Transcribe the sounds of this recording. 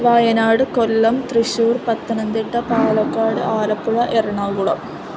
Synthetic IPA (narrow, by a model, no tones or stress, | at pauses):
ʋaːjɐnaːɽɨkolːɐmt̪riɕuːrpɐt̪ːɐnɐnd̪iʈːɐpaːlɐkːaːɽɨʔaːlɐpːuɭɐʔerɐɳaɡuɽɐ̰m